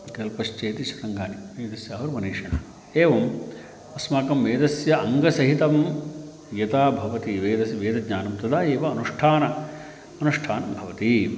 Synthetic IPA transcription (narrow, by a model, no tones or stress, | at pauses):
kɐlpɐʃt͡ʃeːt̪iʃɐt̪ɐŋɡaːniʋeːd̪ɐsjaːʋɐɾmɐneːʂɐnɐ | eːʋɐm | ɐsmaːkɐmʋeːd̪ɐsjɐʔɐŋɡɐsɐɦit̪ɐm | jɐt̪aːbʱɐʋɐt̪iʋeːd̪ɐsiʋeːd̪ɐɡɲaːnɐmt̪ɐd̪aːeːʋɐːnuʂʈʰaːnɐ | ɐnuʂʈʰaːnɐbʱɐʋɐt̪i